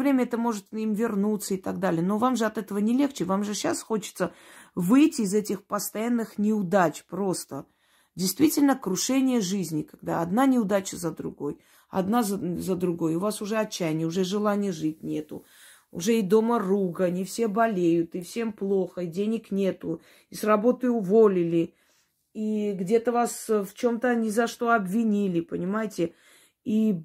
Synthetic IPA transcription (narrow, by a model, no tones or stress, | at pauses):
vɾʲemʲəɛt̪əmo̞ʐɨt̪imvʲɪrnut̪sːəɪt̪ɐɡd̪alʲɪjəno̞vamʐɨɐt̪ɛt̪əvənʲɪlʲe̞xt͡ɕɪvamʐɨɕasxo̞t͡ɕɪ̥t̪səvɨjtʲɪːzɛtʲɪxpəst̪ɐjanːɨxnʲɪʊd̪at͡ɕpɾo̞st̪ə | dʲɪjst̪vʲitʲɪlʲnəkɾʊʂɛnʲɪjəʐɨzʲnʲɪkɐɡd̪a̰ɐd̪nanʲɪʊd̪at͡ɕɪzəd̪ɾʊ̰ɡo̞̰j | ɐ̰d̪nazzəd̪ɾʊɡo̞jʊvasʊʐɛɐt͡ɕːæjnʲɪjəʊʐɛʐɨlˠanʲɪjəʐɨtʲnʲe̞t̪ʊ̰ | ʊ̰ʐɛid̪o̞məruɡənʲɪfsʲe̞bɐlʲejʊt̪ɨfsʲe̞mplˠoxəidʲenʲɪknʲe̞t̪ʊ | isrɐbo̞t̪əjʊvo̞lʲɪlʲɪ | iɡdʲe̞t̪əvasft͡ɕo̞mt̪ənʲɪzɐʂt̪o̞ɐbvʲɪnʲilʲɪpənʲɪmajɪtʲɪ | i